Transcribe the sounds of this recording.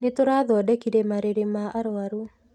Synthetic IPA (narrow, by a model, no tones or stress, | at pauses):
netoɾaðɔdɛkiɾemaɾeɾemaʔaɾoaɾu